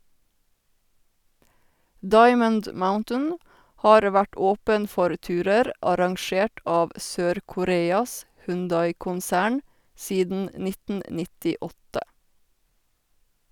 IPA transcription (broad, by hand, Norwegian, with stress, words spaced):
ˈdɑɪmənd ˈmaʊntən ˈhɑːɾ ˈʋæʈ ˈoːpən ˈfɔɾ ˈtʉːɾəɾ ʔɑɾɑŋˈʃeːʈ ˈɑːʋ ˈsøːɾkʊˌɾeːɑs hʉnˈdɑɪkʊnˌsæːɳ ˈsiːdn̩ ˈnɪtn̩ nɪtɪˈɔtə